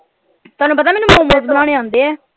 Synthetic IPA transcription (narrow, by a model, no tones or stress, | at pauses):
t̪oaːnũːpət̪̬aːmɛːnũːmomõːzbənãːɽeːãːnd̪eːɛː